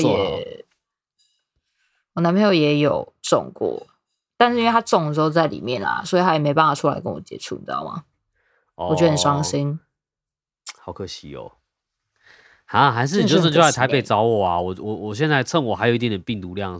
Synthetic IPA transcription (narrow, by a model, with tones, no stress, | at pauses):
jɛ˨˩ | wɔ˨˩na˧˥npʰe˧˥jo˧˩ʊjɛ˨˦jo˨˩ʊt͡sɔ̰˨ŋkwɔ̰˥˩ | t̪a˥˧nʂɻ̩˥i˥w̪ʰa˥ʈ͡ʂɔ˨˩ŋlə˩ʂ̩˧˥xo˥˧t͡sa˥˩ɪlḭ˨˩mjɛ˥˨nla̰˨˩swɔ˧˥i˨t̪ʰa˥jɛ˨˩me˧ɪp̬a˥˧nfwa˨˩ʈ͡ʂʰu˦la̰˧ɪkə˦nwɔ̰˨˩t͡ɕjɛ̰˨˦ʈ͡ʂʰṵ˥˨t̪jɑ̰˨˩ʊma̰˩ | ɔ˨t͡ɕo˧˥ə˧˨˩ʂɑ˥˦ŋsi˦˥n | hɑ˨˩ʊkʰɤ˧˦ɕi˧˦o̰˨˩ | ha˨˦xa˧˥ɪʂ̬ɻ̩˥˩i˨o˥˩˥jo˥a˥˩a˧˥ɪpe˨˥˩t͡sɑ˦˥ʊwɔ˨˩a˨˩wɔ˨˩wɔ˨wɔ˨˩ɕ̬jɛ˥˧nt͡sa˥˧ɪt͡sʰə˥˧˨ŋwɔ˨˩xa˧ɪjo˨˩i˥t̪iɛ˨˩d̪ə˩pi˥˩ŋt̪u˧˥ljɑ˥˨ŋ